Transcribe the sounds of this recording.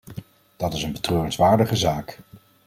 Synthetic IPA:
d̥ɑtɪsənbətrøːrənsʋaːɹdəχəzaːk

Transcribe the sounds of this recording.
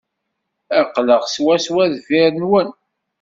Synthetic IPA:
æqːləʁswæswæðviɾənwən

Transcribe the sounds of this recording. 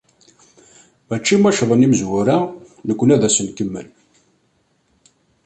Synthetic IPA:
mæt͡ʃːimæʃðˤəniməzwʊɾa | nəkʷːənæðæsəmkəmːə̰n

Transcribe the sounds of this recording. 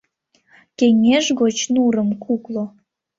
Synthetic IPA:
keŋʲeʒɣot͡ɕnuɾəmkʰuklo

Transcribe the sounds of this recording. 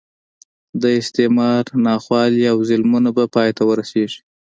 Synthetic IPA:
d̪əɪst̪emɑɾnɑxwɑliawzɪlmunabapɑjt̪awəɾaseʐi̥

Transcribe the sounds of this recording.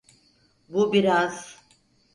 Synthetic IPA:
bubiɾaz̥

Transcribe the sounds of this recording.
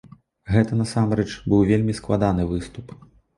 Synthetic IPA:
ɣɛt̪ɐnɐsamɾɛt͡ʂbɨwvʲelʲmʲisklˠad̪anɨvɨst̪up

